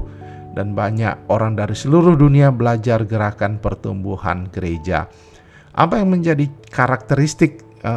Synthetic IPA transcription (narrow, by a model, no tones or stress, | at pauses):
danbaɲa̰koɾaŋdaɾisəluɾʊhduniabəlad͡ʒarɡəɾakanpərt̪ṵmbuha̰nɡəɾed͡ʒa̰ | ʔa̰pajaŋməɲd͡ʒadikaɾak̚t̪əɾist̪ɪk̚